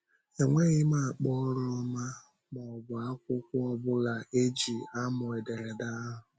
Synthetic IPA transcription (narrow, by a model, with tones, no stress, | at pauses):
e˨ŋʷe˦ɣɪ˦ma˦a˨k͡pɔ˦ɾʊ˦ɔ˦ma˦ | mɔ˨bʊ˨a˦kʷʊ˦kʷʊ˦ɔ˦bʊ˦la˨ʔe˦d͡ʒi˨a˦mʊ˨e˨de˨ɾe˨da˦a˦ɦʊ˨